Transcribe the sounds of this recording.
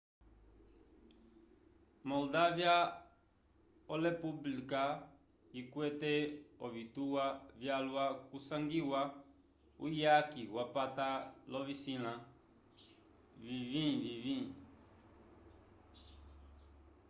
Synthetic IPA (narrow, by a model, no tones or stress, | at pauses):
mɔldavja | ɔlɛpublika | ikwɛtɛɔvituwavjalwakusãŋɡiwa | ṵjakiwapatalɔvisilã | vivĩvivĩ